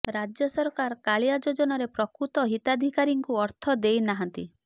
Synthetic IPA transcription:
ɾad͡ʒjɔsɔɾkaɾkaɭjad͡ʒod͡ʒɔnɔɾepɾɔkɾut̪ɔɦit̪ad̪ʱikaɾiŋkuɔɾt̪ʰɔd̪ejnaɦant̪i

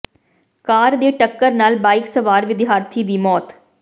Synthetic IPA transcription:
kaːɾd̪eːʈəkːəɾnaːlbaːɪksəʋaːɾʋɪd̪ɪɦaːɾt̪ʰiːd̪iːmɔːt̪

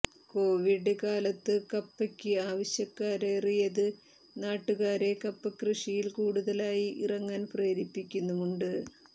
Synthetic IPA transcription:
ko̞ːʋiɖɨkaːlɐt̪ːɨkɐpːɐkʲːɨaːʋɐɕjɐkːaːɾe̞ːrijɐðɨ | naːʈːuɣaːɾe̞kɐpːɐkrɨʂijilkuːɽuðɐlaːjiʔirɐŋːaːnpreːɾipːikʲːunːuuɳɖɨ

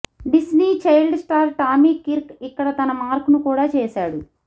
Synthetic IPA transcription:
bisniːt͡ʃɐjlɖsʈaːɾʈaːmiːkiɾkikːɐɽɐt̪ɐnɐmaːɾkunukuːɽaːt͡ʃɛːsaːɽu

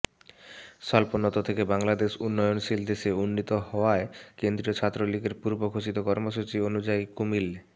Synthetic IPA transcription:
ʃɔlponot̪ot̪ʰekebaŋlad̪eʃunːɔjonʃild̪eʃeunːit̪oɦɔoaekend̪ɾiot͡ɕʰat̪ːɾoliɡeɾpuɾbokʰot͡ɕit̪okɔɾmoʃut͡ɕionud͡ʑaikumil

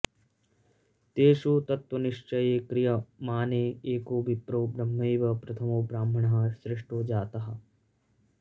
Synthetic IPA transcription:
t̪eːʃoːt̪ɐt̪wɐnɪʃt͡ʃɐjeːkɾɪjɐmaːneːeːkoːbɪpɾoːbɾɐmːɐjʋɐpɾɐt̪ʰɐmoːbɾaːmbʱɐɳ̃ɐɦɐʃɾɪʂʈoːd͡ʒaːt̪ɐɦɐ

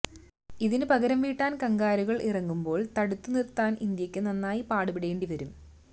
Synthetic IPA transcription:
iðinɨpɐɣɐɾɐmʋiːʈːaːnkɐŋɡaːɾuɣɐɭʔirɐŋːumbo̞ːɭt̪ɐɽut̪ːunirt̪ːaːnʔind̪jɐkʲːɨnɐnːaːjipaːɽupiɽe̞ːɳɖiʋɐɾum

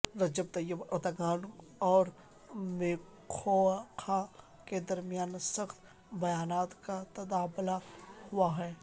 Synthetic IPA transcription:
ɾɐd͡ʒəb̚t̪ɐjəbɐd̪aɡaːn | ɔːɾ | meː | kʰokʰa | ked̪ɐɾmijaːnsɐxt̪ | bɐjaːnaːt̪kat̪ɐd̪aːblahʊaɦɛː

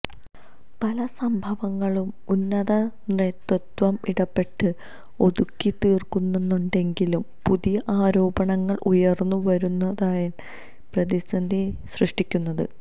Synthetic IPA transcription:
pɐlɐsɐmbʱɐʋɐŋːɐɭum | unːɐðɐnret̪rut̪ʋɐmiɽɐpːe̞ʈːɨ | o̞ðukːit̪iːrkunːenːuɳɖe̞ŋɡilumpuðijɐʔaːɾo̞ːbɐɳɐŋːɐɭʔujɐrnːuʋɐɾunːɐðaːjɐn | prɐðisɐnd̪ʱiɕrɨʂʈikʲːunːɐðɨ̰

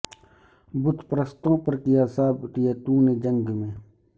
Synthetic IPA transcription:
bʊt̪pɾəst̪õːpɐɾkɪjaːsaːbʈɪjaːt̪uːnẽːd͡ʒəŋɡmẽː

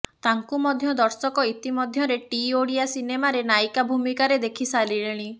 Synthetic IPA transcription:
t̪aŋkumɔd̪ʱjɔd̪ɔɾsɔkɔit̪imɔd̪ʱjɔɾeʈioɽiasinemaɾenajkabʱumikaɾed̪ekʰisaliɭeɽ̃i

